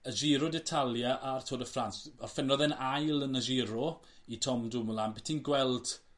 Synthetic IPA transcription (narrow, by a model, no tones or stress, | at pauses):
əʒɪɾɔdɛtʰalˠjaʔartʰoːdəfransɔrfɛnɔðɛnajlˠənəʒiɾɔ | itʰɔmdʊmlˠanbɛtʰinɡwɛlˠd̥